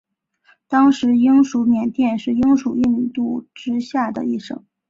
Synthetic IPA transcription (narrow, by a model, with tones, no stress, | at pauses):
t̪ɑ˥ŋʂɻ̩˧˥i˥ŋʂu˧˥mjɛ˨˩nt̪jɛ˥˧nʂɻ̩˥˩i˥ŋʂu˨˩i˥˩n˧t̪u˥˩ʈ͡ʂɻ̩˥ɕja˥˩d̪ə̰˩i˥˩ʂɤ̰˧˥˩ŋ